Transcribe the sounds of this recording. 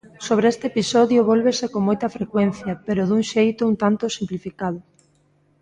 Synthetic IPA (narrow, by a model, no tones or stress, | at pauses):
soβ̞ɾeest̪eepisɔðjʊβɔlβesekoŋmojt̪ɐfɾekwenθjɐpeɾʊðuŋʃejt̪ʊunt̪ant̪ʊsimplifikað̞ʊ